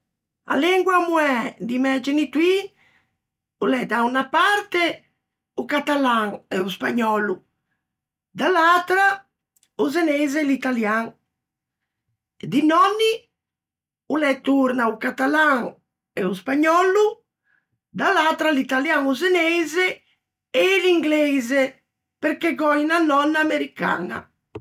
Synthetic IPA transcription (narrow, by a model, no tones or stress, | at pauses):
a̰lɛŋɡwamuɛd̪imɛd͡ʒenit̪wi | ulɛd̪aunapaɾt̪e | ukat̪alaŋɛuspaɲɔlu | d̪alat̪ɾa | uzenɛjzelit̪aljaŋ | d̪inɔnːi | ulɛt̪uɾnaukat̪alaŋ | ɛuspaɲɔlu | d̪alaːt̪ɾalit̪aljaŋuzenɛjze | eliŋɡlɛze | peɾkeɡɔinanɔnːaːmeɾika̰na̰